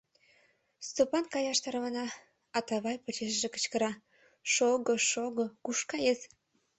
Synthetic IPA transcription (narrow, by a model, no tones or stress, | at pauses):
st̪opɑnkɑjɑʃt̪ɑɾβɑnɑ | ɑt̪ɑβɑjpot͡ɕeʃʒekə̥t͡ɕkəɾɑ | ʃoɣoʃoɣŏkuʃkɑjez